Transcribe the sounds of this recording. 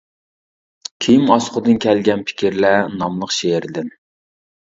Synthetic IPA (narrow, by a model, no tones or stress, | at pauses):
kʲʰejimɑsqʰʊd̪ɨnkʲʰælɡʲɛnpʰɪ̥kʲʰiɾlænɑmlˠəqʃeɾd̪ɪn